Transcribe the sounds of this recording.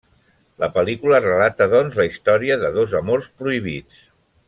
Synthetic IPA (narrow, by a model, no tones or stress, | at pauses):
ləpəlikulərəlat̪əðɔnzləist̪ɔɾiəðəðozəmorspɾuiβ̞it͡s